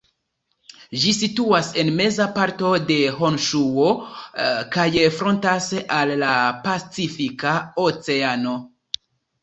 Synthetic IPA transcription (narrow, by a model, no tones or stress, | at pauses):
ʒisituase̞nme̞zapaɾto̞de̞ɦonʃuo | kajefɾo̞ntasalːapat͡sifikaot͡se̞ano̞